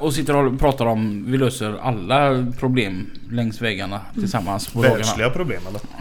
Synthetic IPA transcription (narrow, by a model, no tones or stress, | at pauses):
ɔsɪt̪ːəɾɔpʰɾɑːt̪aɾɔmvɪløːsəɾa̰lːapʰɾʊbleːmlɛŋsvɛːɡaɳat̪ʰɪlsamːanspɔɔːɡanalɪɡapʰɾʊbleːmɛlə